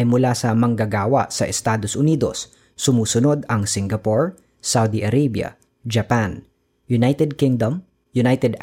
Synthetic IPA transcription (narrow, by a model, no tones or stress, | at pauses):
ʔɐjmʊlasɐmɐŋɡɐɡaːwɐʔsɐʔɛst̪aːd̪osʔʊniːd̪o̞̰sː | ʊmuːsʊno̞d̪ɐŋsɪŋɡɐpoɹ | sawd̪iʔɐɾebjɐ̰ | d͡ʒɐpan | jʊnajt̪ɛd̪̚kɪŋd̪ɐm | jʊnajt̪ɛd̪